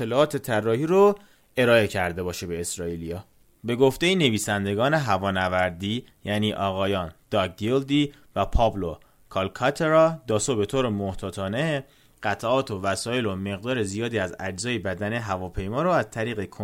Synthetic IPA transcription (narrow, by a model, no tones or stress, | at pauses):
t̪ʰːelɒːɒːt̪ʰe̞t̪ʰærːɒːhiːɾo | e̞ɾɒːe̞cʰæɾd̪e̞bɒːʃebe̞ːsɾɒːilijɒː | be̞ɡo̞ft̪e̞jene̞viːsænd̪e̞ɡɒːne̞ɦævɒːnævæɾd̪iː | jæniːʔɒːɣɒːjɒːnd̪̥ɒɡeld̪iː | væpʰɒːblo | kʰɒlkʰɒt̪ʰeɾɒd̪ɒːsobe̞t̪ʰoːɾemoht̪ʰɒːt̪ʰɒːne | ɢ̥æt̪ʰæʔɒːt̪ʰovæsɒːjelome̞ɣd̪ɒːɾe̞zijɒːd̪iːæzæ̰d͡ʒzɒːjebæd̪æne̞ɦævɒːpʰe̞jmɒːɾoæzt̪ʰæɾiːɣe̞kʰo